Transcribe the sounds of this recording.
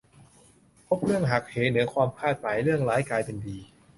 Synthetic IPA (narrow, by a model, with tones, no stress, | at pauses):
pʰo˦˥p̚ɾɯ˥˩əŋɦa˨˩k̚heː˩˦nɯ˩˦ɐkʰwaː˧mkʰaː˥˩t̪̚maː˩˦jɾɯ˥˩əŋlaː˨˦˥jkaː˧jpe˧ndiː˧